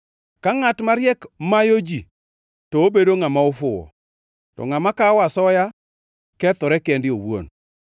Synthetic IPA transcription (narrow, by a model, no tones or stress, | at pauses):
kaŋatmaɾjɛkmajod͡ʒi | tɔːbedoŋamaofʊwɔ̰ | tɔ̰ŋamakawasɔja | kɛt̪ʊɾɛkɛndɪowwo̰n